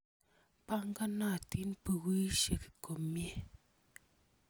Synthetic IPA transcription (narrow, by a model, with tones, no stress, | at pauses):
pa˦ŋ˦ɡa˦na˦˨ti˦npə˨wi˦ʃe˨ki̥˨ko˨mje˦˨